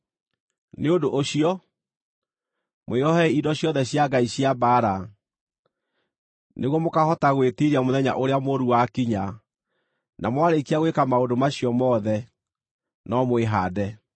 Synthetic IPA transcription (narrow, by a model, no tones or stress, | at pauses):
neodoʔoɕiɔ | moeɔɦɛidɔɕjɔðɛɕjaɡaiɕiabaːɾa | nʔeɣwɔmokahɔtaɣwetiɾiamoðɛɲa̰ʔoɾeamoɾuwakiɲa | namwaɾekiaɣwekamaodomaɕiɔmɔːðɛ | nɔmweɦadɛ